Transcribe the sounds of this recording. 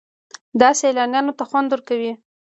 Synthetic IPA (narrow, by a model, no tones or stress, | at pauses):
d̪ɑselɑnjɑnot̪axwand̪wəɾkawi